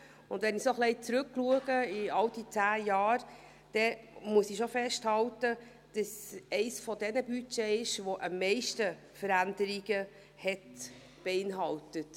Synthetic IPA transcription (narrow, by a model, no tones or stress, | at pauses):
ʊ̰ndʋɛnisoχlɛɪt͡sɾʉkːluəɡ̥əiɑld̥it͡sæːjɑːɾ | d̥ɛmuəsiʃofɛʃthɑltə | d̥ɑsɛɪsfɔdɛnəbyt͡ʃɛɪʃʋoʔəmːɛɪʃtə | fəɾændəɾiɡ̥ə | hɛt | b̥eɪnɦɑltət